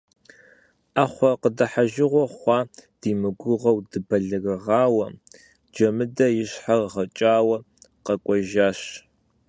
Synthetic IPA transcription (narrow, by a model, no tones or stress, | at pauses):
aχʷɔqədɐħaʒɪʁʷɔχʷɑːd̥iːmɨɡʷʊʁɐwdɨbɐɮɨɣɨʁɑːwɐ | d͡ʒɐmɨdɐjɪɕħarʁɐt͡ʃʼaːwɐ | qɐkʷʼɔʒaːɕ